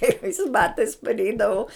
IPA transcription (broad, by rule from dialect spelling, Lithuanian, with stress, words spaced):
krʲɛɪˈʋɐɪs ˈbɑːtɐɪs pɐrʲˈɛɪdɐʋɐʊ